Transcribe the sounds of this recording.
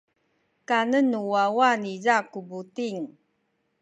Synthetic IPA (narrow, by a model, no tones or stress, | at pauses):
kanənuwawanizakubutiŋ